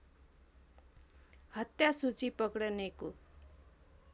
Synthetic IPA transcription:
hʌt̪jasut͡sipʌkɽʌneko

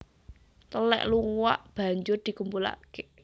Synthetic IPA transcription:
t̪əlɛ̰ʔluŋwa̰ʔb̥a̤ɲd͡ʒʊrd̪̥i̤kumpula̰ke

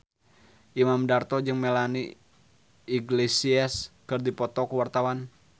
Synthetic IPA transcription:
ʔimamdart̪ɔd͡ʒɨŋmelanḭ | iɡlesiaskɨrdipɔt̪ɔkəwart̪awan

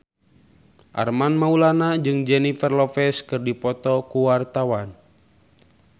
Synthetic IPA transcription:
ʔa̰rmanmaulanad͡ʒɨŋd͡ʒɛnifɛrlɔfɛskɨrdipɔt̪ɔkuwart̪awan

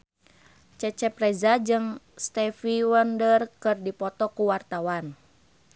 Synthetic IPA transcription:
t͡ʃɛt͡ʃɛprɛzad͡ʒɨŋ | st̪ɛfiwɔndərkɨrdipɔt̪ɔkuwart̪awan

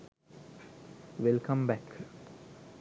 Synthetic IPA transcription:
ʋelkʰɐ̃mbæk

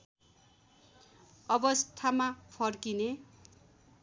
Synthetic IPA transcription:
ʌbʌst̪ʰamapʰʌrkine

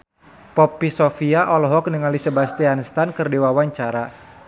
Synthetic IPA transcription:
pɔpːisɔfiaʔɔlɔɦɔk̚nəŋalisebast̪ianəst̪ankɨrdiwawaɲt͡ʃaɾa

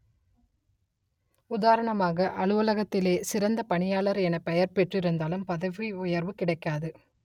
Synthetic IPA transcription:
ʊðaːɾɐɳɐmaːɣɐʔɐɭɯʋɐlɐɣɐt̪ːɪleːsɪɾɐnd̪ɐpɐɳɪjaːɭɐɾɛnɐpɛjɐɾpɛʈrɪɾɯnd̪aːlɯmpɐðɐʋiʊjɐɾʋɯkɪɽɐɪkːaːðɯ

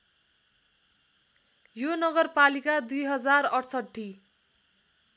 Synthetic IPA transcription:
jonʌɡʌrpalikad̪ujɦʌd͡zarʌʈʰsʌʈʰːi

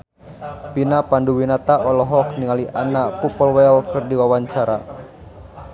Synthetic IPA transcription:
pinapanduwinat̪aʔɔlɔɦɔk̚niŋaliʔanapupɔlwɛlkɨrdiwawaɲt͡ʃaɾa

